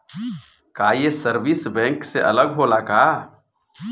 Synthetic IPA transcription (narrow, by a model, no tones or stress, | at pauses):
kaːjesəɾbɪsbɛ̃ːŋkseʔɐ̰ləɡɦoːlaːkaː